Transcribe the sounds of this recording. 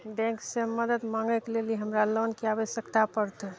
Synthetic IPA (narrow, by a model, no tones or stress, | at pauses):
bɛ̃ŋkseməd̪əd̪maŋɡekeleliɦəmɾalonkeaʋəsjəkt̪apəɾt̪